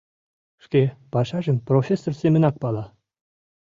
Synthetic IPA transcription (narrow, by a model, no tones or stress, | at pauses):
ʂkʲepɑʂɑʒə̆mprofʲesːorsʲemʲɘ̆nɑk̚pɑlˠɑ